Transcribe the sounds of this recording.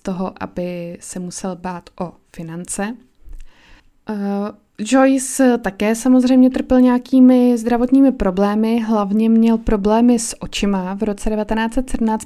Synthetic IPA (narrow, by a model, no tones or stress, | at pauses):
t̪o̞ɦoʔa̰bɪsɛmusɛlbaːt̪ʔo̞fɪnant͡sɛ | d͡ʒo̞jst̪akɛːsamozr̝ɛjmɲɛt̪r̩pɪlɲɛakiːmɪzd̪ɾavo̞t̪ɲiːmɪpɾo̞blɛːmɪɦlavɲɛmɲɛlpɾo̞blɛːmɪsʔo̞t͡ʃɪmavɾo̞t͡sɛdɛvat̪ɛnaːt͡sɛt̪sɛdm̩naːt͡st̪